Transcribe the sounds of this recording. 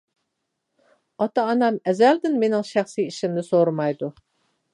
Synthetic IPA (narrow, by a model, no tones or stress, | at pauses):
ɑt̪ɑːnɑmɛzæld̪ɪnmenɪŋʃæχsijiʃimnɪsoɾmɑjd̪u